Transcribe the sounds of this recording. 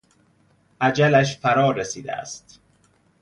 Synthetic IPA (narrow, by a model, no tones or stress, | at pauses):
ʔæd͡ʒælæʃ̬fæɾɒːɾesḭːd̪æ̰æ̰st̪